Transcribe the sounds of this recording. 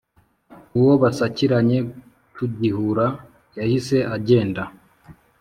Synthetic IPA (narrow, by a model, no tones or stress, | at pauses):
uwo̞βasaciɾaɲe̞ | tuɟihuɾa | jahise̞ʔaɟe̞ːnda